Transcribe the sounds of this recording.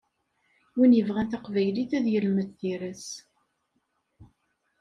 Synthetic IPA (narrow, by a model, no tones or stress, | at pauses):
winjəvʁænt̪aqvæjliθæðjəlməθθiɾəs